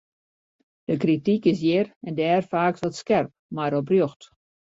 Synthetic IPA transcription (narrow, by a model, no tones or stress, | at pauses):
d̥əkritikɪs̬jɪrɛndəɛːrfaːksʋɔtskɛrp̚maɾɔbrjoxt